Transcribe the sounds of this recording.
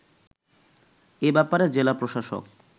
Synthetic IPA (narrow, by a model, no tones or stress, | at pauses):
ebɛpaɾed͡ʑelapɾoʃaʃo̰k